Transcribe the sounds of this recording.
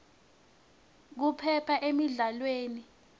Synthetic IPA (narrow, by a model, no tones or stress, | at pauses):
k̬upʰɛpʰaʔemiɮalweːni